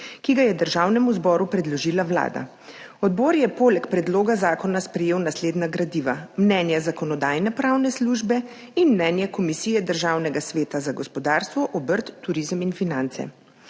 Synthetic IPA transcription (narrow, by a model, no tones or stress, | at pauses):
kiɡajɛd̪əɾʒawnɛmuzbɔːɾupɾɛd̪lɔʒiːlawla̰ːd̪a̰ | ɔd̪bɔːɾjɛpoːlɛkpɾɛd̪loːɡazaːkɔnaspɾɛjeːwnasleːd̪naɡɾad̪iːʋamnɛnjazakɔnɔd̪aːjnɛpɾawnɛsluːʒbɛ | inmnɛːnjakɔmisiːjɛd̪əɾʒaːwnɛɡasʋeːt̪azaɡɔspɔd̪aːɾst̪ʋɔʔɔbəɾt̪ːuɾizəminfinant̪sɛ̰